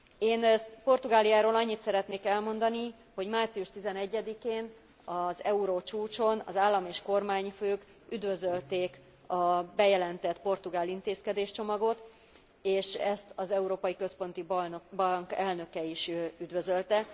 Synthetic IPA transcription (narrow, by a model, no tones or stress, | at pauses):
eːnpo̞rt̪uɡaːlijaːɾoːlɒɲːit̪sɛɾɛt̪neːkɛlmo̞nd̪ɒni | ho̞ɟmaːrt̪siuʃt̪izɛnɛɟːɛd̪ikeːn | ɒzɛuɾoːt͡ʃuːt͡ʃo̞nɒ̰zaːlːɒmeːʃko̞rmaːɲføːk | yd̪vø̞zølt̪eːk | ɒbɛjɛlɛnt̪ɛt̪po̞rt̪uɡaːlint̪eːskɛd̪eːʃt͡ʃo̞mɒɡo̞t̪ | eːʃɛst̪ɒzɛuɾoːpɒjikø̞spo̞nt̪ibɒŋkɛlnø̞kɛiʃyd̪vøzølt̪ɛ